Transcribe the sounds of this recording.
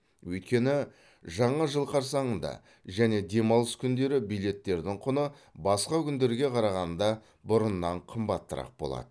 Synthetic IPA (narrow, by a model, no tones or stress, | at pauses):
wɵjt̪̚kʲe̞nɪ | ʒɑɴɑʒəlˠqʰɑɾsɑɴənd̪ɑ̰ | ʒæne̞d̪e̞mɑlˠəskʲʰʏnd̪e̞ɾɪbijle̞t̪ːe̞ɾd̪ɪɴqʰʊnə | bɑsqɑkʲʰʏnd̪e̞ɾɡʲe̞qʰɑɾɑʁɑnd̪ɑ | bʊɾənːɑɴqʰəmbɑt̪ːəɾɑ̰q̚bo̞lˠɑ̰d̪ə